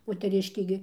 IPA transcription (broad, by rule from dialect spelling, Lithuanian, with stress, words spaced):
moːtʲɛˈrʲɪʃʲkʲeː ɡʲɪ